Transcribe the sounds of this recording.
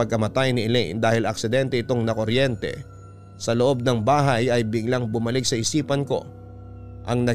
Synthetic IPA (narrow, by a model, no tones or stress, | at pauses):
ɐɡ̚kɐmɐt̪ajnɪʔɪlɛ̰jnd̪aːhɪlɐk̚sɪd̪ɛnt̪ɛɪt̪o̞ŋnɐkoɾjɛnt̪ɛ̰ | sɐloʔo̞b̚nɐŋbaːɦɐjɐjbɪɡlaŋbʊmɐlɪk̚sɐʔɪsiːpɐnko̞̰ | ʔɐŋnɐ